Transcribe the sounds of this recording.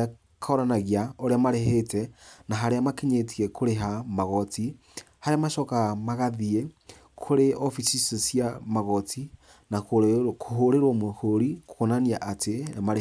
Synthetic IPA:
kʰaoɾanaɣiaoɾeamaɾeɦetɛnaɦaɾeamakeɲetiɛkʰoɾeɦamaɣɔti | haɾeamaʃɔkamaɣaðie | kʰoɾeʔofisisosiamaɣɔtʰi | nakkʰoɦoɾeɾwomohoɾiko̥konaniaʔatʰemaɾ

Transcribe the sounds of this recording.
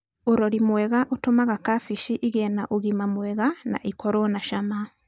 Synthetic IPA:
oɾɔɾimwɛɣaʔotomaɣakafiʃiʔiɣɛnaʔoɣimamwɛɣana̰ʔikɔɾɔnaʃama

